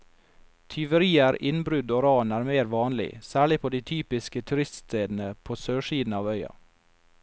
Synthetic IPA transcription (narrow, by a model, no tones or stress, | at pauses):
t̪ʰʏʋəɾiːəɾɪnbɾʉd̪oːɾɑːnæːɾmeːɾʋɑːnlɪ̰sæːɭɪpʰoːd̪iːt̪ʰyːpɪskət̪ʰʉɾɪst̪st̪ʰeːd̪n̩əpʰoːsøːʃiːd̪nɑːʋœʏɑ̰